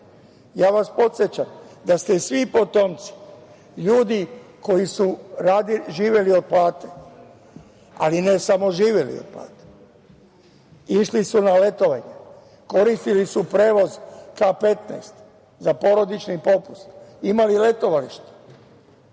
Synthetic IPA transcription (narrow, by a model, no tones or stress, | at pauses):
jaːʋaspo̞t̪sjet͡ɕamd̪ast̪esʋipo̞t̪o̞mt̪si̥ | ʎuːd̪iko̞jisuɾaːd̪iʒiːʋje̞lio̞d̪̚plaːt̪e | a̰linesamoʒiːʋjelḭo̰d̪̚pla̰ːt̪e̥ | iʃlisunale̞t̪o̞ʋaɲe | ko̞ɾist̪ilisupɾeːʋo̞zkape̞t̪nɛ̰st̪ | zapo̞ɾo̞d̪it͡ʃnipo̞pust̪imalile̞t̪o̞ʋaliʃt̪e̥